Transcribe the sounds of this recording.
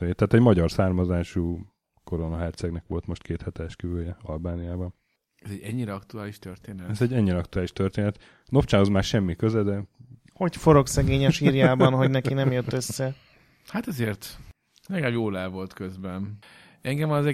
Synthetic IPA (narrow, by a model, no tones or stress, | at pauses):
et̪aːt̪ɛɟmɒɟɒrsaːrmɒzaːʃuː | ko̞ɾonɒɦɛrt̪sɛɡnɛkʋo̞lt̪mo̞ʃt̪kʰeːt̪hɛt̪ɛɛʃkyvøːjɛɒlbaːnijaːbɒn | ɛzɛɟɛɲːiɾɛɒkt̪uaːliʃt̪ørt̪eːnɛɛzɛɟːɛɲːiɾɛɒk̚t̪uaːliʃt̪ørt̪eːnɛt̪ | nopt͡ʃaːnɒzmaːrʃɛmːikøzɛd̪ɛ | ho̞cfo̞ɾo̞ksɛɡeːɲɛʃiːrjaːbɒnɦo̞ɟnɛkinɛmjøt̪ːøsːɛ | hat̪ɛzeːrt̪ | lɛɡɛljoːlaːvo̞lt̪køzbɛn | ɛŋɡɛmɒzɛ